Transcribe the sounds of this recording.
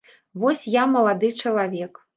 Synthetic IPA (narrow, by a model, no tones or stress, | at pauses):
vɔsʲjamɐlˠad̪ɨt͡ʂɐlˠavʲɛk